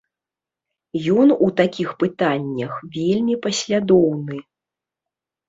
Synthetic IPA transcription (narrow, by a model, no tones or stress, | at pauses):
jɔnut̪akʲixpɨt̪anʲːɐxvʲelʲmʲipɐsʲlʲad̪ɔwnɨ